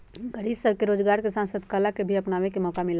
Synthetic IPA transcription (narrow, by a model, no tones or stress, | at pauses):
ɡəɾibsəbʱkeɾoːd͡ʒɡaːɾkesãnsəd̪kalakebʱiɐpnaːʋekemɔkamɪla